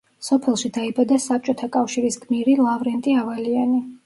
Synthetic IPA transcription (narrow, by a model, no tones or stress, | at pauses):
sɔpʰɛlˠʃid̪aibad̪asap̚t͡ʃʼɔt̪ʰakʼafʃiɾisɡʼmiɾilˠavɾɛnt̪ʼiavaliani